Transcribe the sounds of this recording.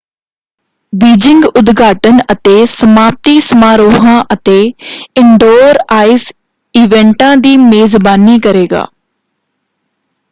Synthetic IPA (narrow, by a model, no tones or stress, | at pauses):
biːd͡ʒɪ̃ŋɡʊd̪ɡaːʈənət̪eːsəmaːp̚t̪iːsəmaːɾoːɦãːʔət̪eːɪɳɖoːɾaːɪs | iːʋɛ̃ːɳʈãːd̪iːmeːzbaːniːkəɾeːɡa̰ː